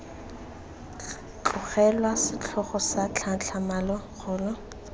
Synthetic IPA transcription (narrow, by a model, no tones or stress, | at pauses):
t͡ɬʼʊχɛlwasɪt͡ɬʰɔχɔsat͡ɬʰat͡ɬʰamalɔɣʰʊːlɔ